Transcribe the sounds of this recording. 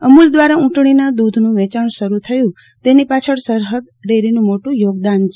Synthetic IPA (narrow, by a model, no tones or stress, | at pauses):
əmuld̪ʋaɾaũʈɳ̃inad̪ud̪ʱnũʋɛt͡ʃaɳʃəɾut̪ʰəjũ | t̪enipat͡ʃʰəɽsəɾɦəd̪̚ɖeɾinũmoʈũjoɡd̪ant͡ʃʰ